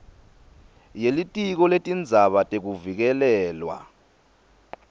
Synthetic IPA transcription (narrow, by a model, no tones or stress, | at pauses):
jelitʼik̬ɔletʼind͡zʱaɓatʼek̬uvik̬ɛlɛːlwa̰